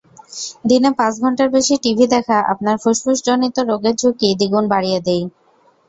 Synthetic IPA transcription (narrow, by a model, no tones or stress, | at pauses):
d̪inepãt͡ɕɡʱɔɳʈaɾbeʃiʈibʱid̪ɛkʰaʔa̰pnaɾfuʃpuʃd͡ʑonit̪oɾoɡed͡ʑʰʱokid̪iɡunbaɽijed̪ej